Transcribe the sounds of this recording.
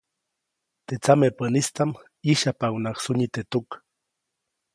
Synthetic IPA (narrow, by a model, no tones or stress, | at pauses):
t̪et͡samepənist̪am | iʃapawnaksʊɲit̪et̪uk